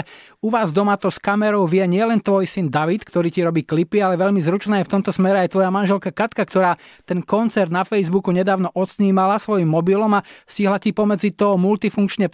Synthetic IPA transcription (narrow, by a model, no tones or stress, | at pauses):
uʋaːzd̪ɔmat̪ɔskamɛɾɔʊʋɪɛɲɪɛlɛnt̪ʋɔjsind̪aʋit̪kt̪ɔɾiːciɾɔbiːklipialɛʋɛʎmizɾut͡ʃnaːjɛft̪ɔmt̪ɔsmɛɾɛajt̪ʋɔjamanʒɛlkakat̪kakt̪ɔɾaːt̪ɛnkɔnt͡sɛɾd̪nafɛjzbukuɲɛd̪aːʊnɔʔɔt̪sɲiːmalasʋɔjimːɔbilɔmasciɦlacipɔmɛd͡zit̪ɔɦɔmult̪ifuŋkt͡ʃɲɛ